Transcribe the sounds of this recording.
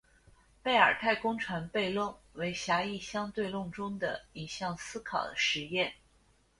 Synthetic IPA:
pe˥˩ɪə̰˞˨˩t̪ʰa˥˩ɪkʊ˥ŋʈ͡ʂʰwa˧˥npe˥˧ɪlʊ˥˩ŋwe˧˥ɪɕja˧˥i˥˩ɕjɑ˥ŋt̪we˥˧ɪlʊ˥˩ŋʈ͡ʂʊ˥ŋd̪ə̰˨i˨˩ɕjɑ˥˩ŋsɹ̩˥kʰɑ˨˩ʊd̪ə˦ʂɻ̩˧˥jɛ˥˩n

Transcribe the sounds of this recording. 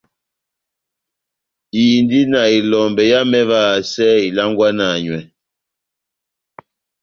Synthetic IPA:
i˨ndi˦na˨i˨lɔ˨mbɛ˨ja˦mɛ˦vaː˦˨sɛ˦i˨la˦ŋɡwa˦na˨ɲwɛ˨

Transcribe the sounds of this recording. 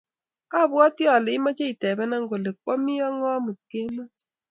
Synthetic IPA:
a˦˨bwɔ˦tjɔ˨le˨i˦ma˦t͡ʃe˦i˨tɛ˨bɛ˦na˦ŋɡo˨le˨k̚wɔ˦mi˦ɔ˦ŋɔ˦mu˨t̚ke˦ma˦

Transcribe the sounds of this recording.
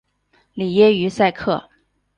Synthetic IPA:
li˨˩jɛ˥y˧˥sa˥˧ɪkʰɤ˥˩

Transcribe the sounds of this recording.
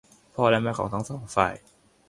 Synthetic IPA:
pʰɔː˥˩lɛ˦˥˩mɛː˥˩kʰɔː˩˦ŋt̪ʰa˦˥ŋsɔː˨˩˦ŋfaː˨˩j

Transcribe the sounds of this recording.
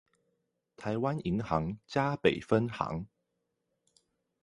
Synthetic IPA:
t̪ʰa˨˦ɪwa˦ni˧˦ŋxɑ˨˧˦ŋt͡ɕja˥pe˨˩ɪfə˦nxɑ̰˧˦ŋ

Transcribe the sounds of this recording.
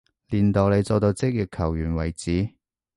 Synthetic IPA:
liː˨˩nt̪o˨wle˨˧jt͡sɔː˧t̪o˧wt͡sɪ˥k̚ji˨kʰːɐ˨˩wjyː˨˩nwɐ˨˩jt͡siː˨˥

